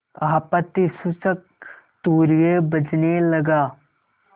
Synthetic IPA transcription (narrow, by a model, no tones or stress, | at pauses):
aːpət̪ːisʊsək̚ | t̪uːɾjebɐd͡ʒnelɐɡaː